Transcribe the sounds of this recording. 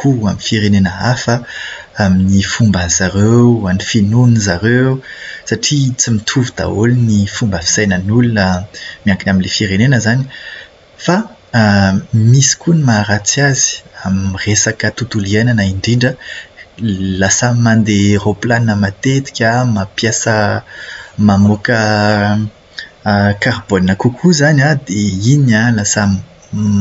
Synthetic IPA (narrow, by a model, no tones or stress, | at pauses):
kuaminfiɾenenəafə | aminifumbanzaɾeanifinunizaɾesaʈ͡ʂit͡simit̪ʰuvud̪a̰olnifumbəfi̥sajnənulunəmiaŋkinaminlefiɾenenəzani | fa | misi̥kunimaɾat͡siazi̥amresakət̪ut̪uliajnanaiɳɖ͡ʐiɳɖ͡ʐə | lasammand̪eroplaninəmat̪et̪i̥kʲamapjasə | mamokə | karboninəkukʰuzanad̪einãlasami